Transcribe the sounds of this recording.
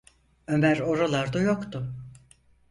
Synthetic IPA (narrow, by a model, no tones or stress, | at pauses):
ømæɾo̞ɾalˠaɾd̪ajokt̪ʊ